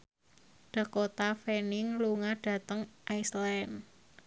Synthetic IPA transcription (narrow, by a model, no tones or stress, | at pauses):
ɖ̥ə̤kot̪afenɪŋluŋaɖ̥ä̤t̪əŋʔaislɛn